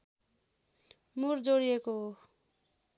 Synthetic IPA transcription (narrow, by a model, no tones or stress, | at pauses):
murd͡zoɽijekoɦo